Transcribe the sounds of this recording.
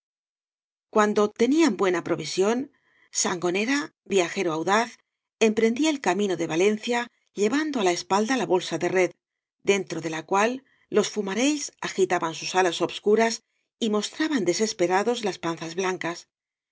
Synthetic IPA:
kwand̪o̞t̪e̞niambwe̞napɾo̞βisjo̞n | saŋɡo̞ne̞ɾa | bjaxe̞ɾoawðaθ | e̞mpɾe̞nd̪iaelkamĩno̞ðe̞βale̞nθja | ʎe̞βand̪oalaespald̪alaβo̞lsaðe̞re̞ð | d̪e̞nt̪ɾo̞ðe̞lakwalː | o̞sfumaɾe̞ʎsaxit̪aβansusalaso̞βskuɾas | imo̞st̪ɾaβand̪e̞se̞spe̞ɾaðo̞zlaspanθazβlaŋkas

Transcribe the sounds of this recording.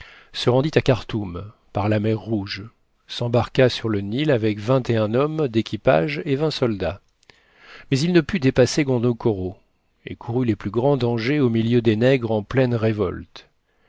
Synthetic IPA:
səʁɑ̃d̪it̪akaʁt̪um | paʁlamɛʁːuʒ | sɑ̃baʁkasyʁlənilavɛkvɛ̃t̪eɛ̃nɔmd̪ekʲipa̰ʒevɛ̃sɔld̪a | mɛzilnəpyd̪epaseɡɔ̃d̪okɔʁo | ḛkʰuʁyleplyɡʁɑ̃d̪ɑ̃ʒeomiljød̪enɛɡʁɑ̃plɛnʁevɔ̰lt̪

